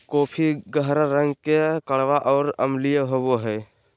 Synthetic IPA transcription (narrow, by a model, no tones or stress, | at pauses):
koːpʰiɡəɦɾəɾəŋɡkekəɽʋaʔɔːɾəmlijəɦoboɦɛː